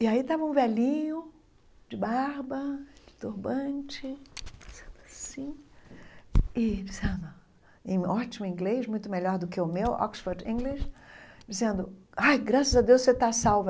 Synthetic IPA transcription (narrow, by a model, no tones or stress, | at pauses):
ɪait̪avɐũvɛlĩɲʊ | d͡ʒɪbaɾbɐd͡ʒɪ̥t̪uɾbɐ̃t͡ʃɪd͡ʒiz̥ẽnd̪ʊasĩ | ɪd͡ʒiz̥ẽnd̪ʊ | ẽj̃ɔt͡ʃimʊĩɡleʃmũj̃t̪ʊmeʎɔɾd̪ʊkɪʊmewɔ̰ksfoɾd͡ʒĩɡleʃd͡ʒizẽnd̪ʊajɡɾasɐzɐd̪ewsset̪asawvɐ